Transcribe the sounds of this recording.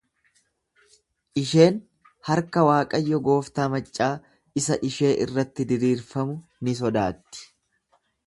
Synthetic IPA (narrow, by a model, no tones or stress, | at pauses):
ʔɪʃe̞ːn | hɐɾkɐwaːkʼɐjːɔɡo̞ːft̪aːmɐt͡ʃʼːaː | ɪsɐʔɪʃe̞ːʔɪ̰rːɐt̪ːɪd̪ɪɾiːɾfɐmʊnɪs̬ɔd̪aːt̪ːɪ̥